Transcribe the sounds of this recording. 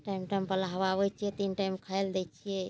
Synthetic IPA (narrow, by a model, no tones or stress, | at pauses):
ʈaimʈajmpəɾlaɦəβaβɛjt͡ʃʰijɛt̪inʈajmkʰaeld̪ɛt͡ʃʰijɛ